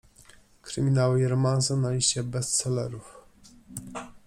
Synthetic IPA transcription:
kɾɘmʲinawɘɾɔmansɔnalʲiɕt͡ɕɛbɛst̪sɛlɛ̰ɾuf

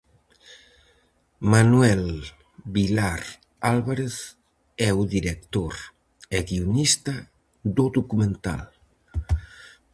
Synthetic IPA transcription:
manwɛl | bilaɾ | alβaɾeθ | ɛuðiɾek̚t̪oɾ | eɣiunist̪a | d̪od̪ukumẽnt̪a̰l

